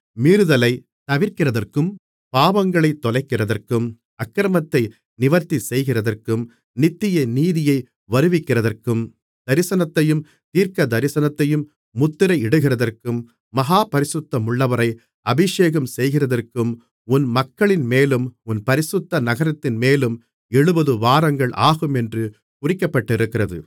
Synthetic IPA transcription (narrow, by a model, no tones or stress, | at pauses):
miːɾɯðɐlɐɪ | t̪ɐʋɪɾkɪrɐðɐrkɯm | paːʋɐŋɡɐɭɐɪt̪ːɔlɐɪkːɪrɐðɐrkɯm | ɐkːɾɐmɐt̪ːɐɪ | nɪʋɐɾt̪ːisɛjɣɪrɐðɐrkɯm | nɪt̪ːɪjɐniːðɪjɐɪ | ʋɐɾɯʋɪkːɪrɐðɐrkɯm | d̪̥ɐɾɪsɐnɐt̪ːɐjɯm | t̪iːɾkɐd̪ɐɾɪsɐnɐt̪ːɐjɯmː | ʊt̪ːɪɾɐɪɪɽɯɣɪrɐðɐrkɯmː | ɐɦaːpɐɾɪsɯt̪ːɐmʊɭːɐʋɐɾɐɪ | ɐbɪʂeːɣɐmsɛjɣɪrɐðɐrkɯm | ʊnmɐkːɐɭɪnmeːlɯmʊnpɐɾɪsɯt̪ːɐnɐɣɐɾɐt̪ːɪnmeːlɯm | ɛɻɯbɐðɯʋaːɾɐŋɡɐɭʔaːɣɯmɛndrɯ | pʊrɪkːɐpːɐʈːɪɾɯkːɪrɐðɯ̰